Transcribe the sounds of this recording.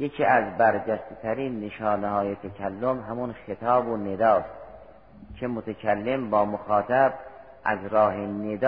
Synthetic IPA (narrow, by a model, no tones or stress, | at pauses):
jekʰiːæzbæɾd͡ʒæst̪et̪ʰæɾiːnːeʃɒːnehɒːjet̪ʰækʰælːomɦæmunxet̪ʰɒːboned̪ɒːs | kʰemot̪ʰakʰælːe̞mbɒːmoxɑːt̪ʰæb̚ | ʔæ̰zɾɒːɦened̪